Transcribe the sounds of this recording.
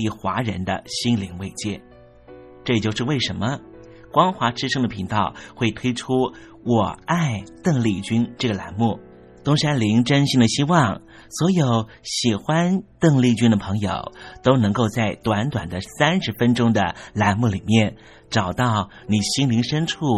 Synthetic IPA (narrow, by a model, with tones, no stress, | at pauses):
i˥˩xwa̰˧˥ɻə˧˥nd̪ə̰˧ɕi˥nli˧˥ŋwe˥˧ɪt͡ɕjɛ˥˩n | ʈ͡ʂɤ˥˧t͡ɕjʊʂɻ̩˧we˥˩ɪʂə˧˥nmə˧ | kwɑ˥ŋxwa˧˥ʈ͡ʂɻ̩˥ʂɤ˥ŋd̪ə˨pʰi˧˥ŋt̪ɑ˥˩ʊxwe˥˩ɪt̪ʰwe˥ɪʈ͡ʂʰu˥ | wɔ˨˩a˥˧ɪt̪ɤ˥˧ŋli˥˩t͡ɕy˥nʈ͡ʂɤ˥˩ɡə˩la̰˧˥nmu˥˩ | t̪ʊ˥ŋɕa˥nli˧˥ŋʈ͡ʂə˥nɕi˥ŋd̪ə˨˩ɕi˥wɑ˥˩ŋ | swɔ˧˥jo˨˩˥ʊ | ɕi˨˩xwa˥nt̪ɤ˥˧ŋli˥˧t͡ɕy˥nd̪ə˨pʰɤ˧˥ŋjo̰˨˩ʊt̪o˥ʊnɤ˧˥ŋko˥˧ʊt͡sa˥˩ɪt̪wa˧˥nt̪wa̰˨˩nd̪ə˦sa˥nʂɻ̩˧˥fə˥nʈ͡ʂʊ˥ŋd̪ə̰˨la˧˥nmu˥˩li˨˩mjɛ˥˩n | ʈ͡ʂɑ˨˩ʊt̪ɑ˥˩ʊ | ni˨˩ɕi˥nli˧˥ŋʂə˥nʈ͡ʂʰu˥˩